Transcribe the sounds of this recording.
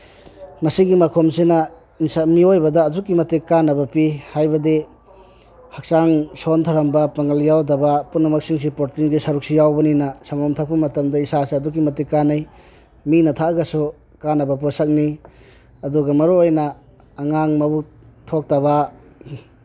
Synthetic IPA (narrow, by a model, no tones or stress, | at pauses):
mɐsiɡimɐkʰomsenɐ | insamiojbɐdɐːdukːimɐtekanɐbɐpihajbɐde | hɐk̚saŋsontʰaɾɐmbɐpɐŋɐljawdɐbɐpunɐmɐksiŋs̬ipoɾtiŋɡisɐɾuk̚sijawbɐninɐsaŋɔmtʰak̚pɐmɐtɐmdɐisaseɐduk̬ːimɐtikanaj | minɐtʰaɡɐsu | kanɐbɐp̬ɔsɐk̚ni | ɐduɡɐmɐɾoojnɐː | ŋaŋmɐbu | tʰok̚taba